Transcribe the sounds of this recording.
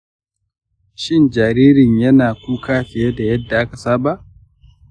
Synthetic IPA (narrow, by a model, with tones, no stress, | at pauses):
ʃɪ˦nd͡ʒaː˨ɾiː˦ɾɪ˨ɲjɐ˦naː˨kʷuː˦kaː˦ɸɪ˨je˦da˨jɐ˦dːa˨ʔa˦ka˨saː˦ba˦˨ʔ